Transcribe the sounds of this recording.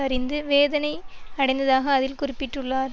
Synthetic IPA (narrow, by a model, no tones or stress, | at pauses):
ɐrɪnd̪ɯʋeːðɐnɐɪɐɽɐɪnd̪ɐðaːɣɐːðɪlkʊrɪpːɪʈːɯɭːaːɾ